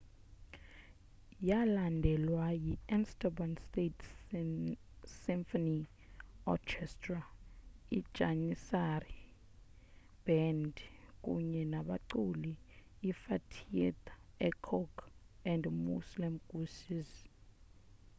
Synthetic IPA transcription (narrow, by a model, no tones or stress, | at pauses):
jalandʱɛlwajiɛnstabɔnstetʰ | siɱfɔni | ɔ̰kʰɛstra | id̥ʒ̥ʱanisari | b̥ɛndk̬ʼṵɲɛnaɓaǀuliː | fatʰiɛt̪ɛkʰɔkɛndmṵslimɡ̥usiz